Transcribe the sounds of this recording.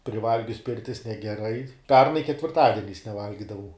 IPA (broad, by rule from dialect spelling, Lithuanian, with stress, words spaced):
pʲrʲɪˈʋɐlʲɡʲʊs ˈpʲɪrʲtʲɪs nʲɛɡʲɛˈrɐɪ ˈpʲɛrnɐɪ kʲɛtʲʋʲɪrˈtɑːdʲiɛnʲɛɪs nʲɛˈʋɐlʲɡʲɪdɐʋɐʊ